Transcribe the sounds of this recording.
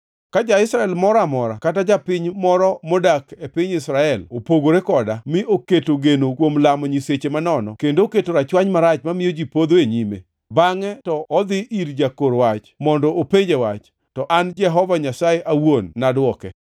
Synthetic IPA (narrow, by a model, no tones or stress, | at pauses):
kad͡ʒaɪsɾaɛlmɔɾamɔɾakatad͡ʒapɪɲmɔɾɔmɔdakepɪɲɪsɾaɛlopoɡoɾekɔdamɪoketoɡenokwomlamɔɲiset͡ʃemanɔnɔkendoketoɾat͡ʃwaɲmaɾat͡ʃmamɪjod͡ʒipod̪oeɲimḛ | baŋɛtɔːd̪ɪʔiɾd͡ʒakoɾwat͡ʃmɔndɔʔopeɲd͡ʒewat͡ʃ | tɔʔand͡ʒɛɦɔvaɲasajeʔawonːadwɔkɛ